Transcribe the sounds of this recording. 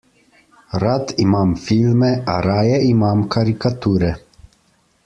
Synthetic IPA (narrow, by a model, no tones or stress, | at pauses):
ɾat̪imaːmfilmɛʔaɾaːjɛimaːmkʰaɾikat̪uːɾɛ